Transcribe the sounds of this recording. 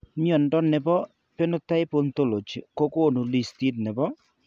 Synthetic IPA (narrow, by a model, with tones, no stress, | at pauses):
mjɔ˨ndɔ˦nɪ˨bɔ˦ | pe˦no˦ta˦ɪ˦po˦nt̪o˦lo˨t͡ʃko˦ko˦˨nu˨li˦˨sti˦tnɪ˨bɔ˦